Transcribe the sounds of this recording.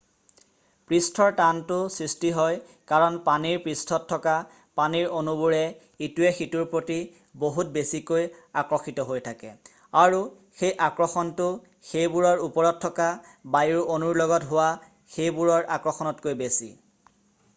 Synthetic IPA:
pɹistʰɔɹtantʊsɹistiɦɔj | kaɹɔnpaniɹpɹistʰɔtʰːɔka | paniɹonubuɹɛ | ituɛxituɹpɹoti | boɦutbesikojakɹɔxitɔɦojtʰakɛ̰ | aɹu | xejʔakɹɔxɔntʊ | xejbuɹɔɹupɔɹɔtʰːɔka | bajuɹonuɹlɔɡɔtɦʊwa | xejbuɹɔɹʔa̰kɹɔxɔnɔtkojbesḭ

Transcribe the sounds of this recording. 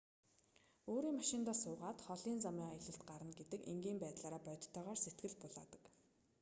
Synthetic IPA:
oːɾiːŋmaʃɪ̆nt̪aːsʊːʁaːt̪χɔɮiːnt͡samiːŋaj̆ɮə̆ɬt̪̚ɢaɾə̆nɡet̪ɘ̆kḛŋɡiːmpæːt̪ɮaːɾaːpœjt̪ʰt̪ʰːœːʁɔːrset̪̚ɡɘ̆ɮpʊɮa̰ːt̪ə̥̆k

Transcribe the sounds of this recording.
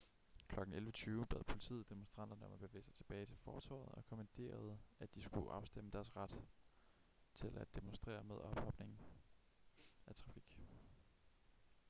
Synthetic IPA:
kʰlɒ̽ɡ̥n̩elʋət͡sʰyːʊb̥ḛð̞̰ˠpʰo̝lit͡sʰḭːð̩ˠd̥emonsd̥ʁɑ̈n̰d̥ɐnəɒ̽mæb̥e̝ʋe̝̰ːsɑ̈ɪt͡sʰe̝b̥ɛːɪt͡sʰe̝lfɒːt͡sʰɒ̰ːð̩ˠɒ̽kʰomænd̥ʰe̝̰ːɐð̞̩ˠəʔæd̥isɡ̥uʔɑ̈ʊsd̥eməd̥æɐsʁɑd̥ | t͡sʰe̝læd̥emonsd̥ʁḛːɐmeð̞ˠɒ̽b̥hɒ̽b̥ne̝ŋn̩ | æt͡sʰʁɑ̈fiɡ̥

